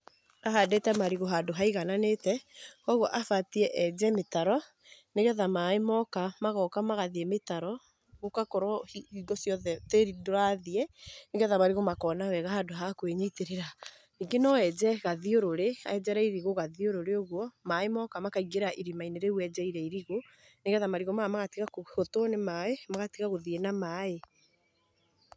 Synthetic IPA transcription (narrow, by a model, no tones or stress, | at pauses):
aɦadɛtɛmaɾiɣoɦadoɦaiɣananetɛkɔɣwɔʔafatiɛʔɛd͡ʒɛmetaɾɔ | neɣɛðamaemɔkamaɣɔkamaɣaðiɛmetaɾɔ | ɣokakɔɾɔiiɡɔsjɔðɛteɾidoɾaðiɛneɣɛðamaɾiɣomakɔːnawɛɣahadoɦakweɲeteɾeɾa | iŋɡenɔɛd͡ʒɛɣaðioɾoɾea̰ɛd͡ʒɛɾaiɾiɣoɣaðioɾoɾeoɣwɔmaemɔkamakaiɡeɾaʔiɾimaineɾeuɛd͡ʒɛiɾɛiɾiɣo | neɣɛðamaɾiɣɔmamaɣatiɣakohotonemaemaɣatiɣaɣoðienamaːe